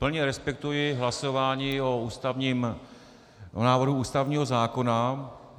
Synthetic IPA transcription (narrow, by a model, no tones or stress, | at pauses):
pl̩ɲɛɾɛspɛk̚t̪ujɪɦlaso̞vaːɲiːouːst̪avɲiːm | onaːvɦuuːst̪avɲiːɦo̞zaːko̞na